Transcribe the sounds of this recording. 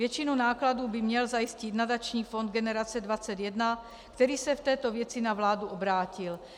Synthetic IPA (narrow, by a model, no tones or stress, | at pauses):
vjɛt͡ʃɪnunaːkladuːbɪmɲɛlzajɪscɪt̪nadat͡ʃɲiːfo̞nd̪̚ɡɛnɛɾat͡sɛdvat͡sɛt̪jɛdna | kt̪ɛɾiːsɛft̪ɛːt̪o̞vjɛt͡sɪnavlaːduʔobɾaːcɪl